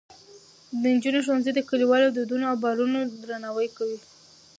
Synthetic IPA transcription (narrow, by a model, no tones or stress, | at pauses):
d̪ənd͡ʒunoʃ̬anzed̪əkəliwɑlawd̪əd̪unoawbɑɾunod̪ɾanɑwəjkawi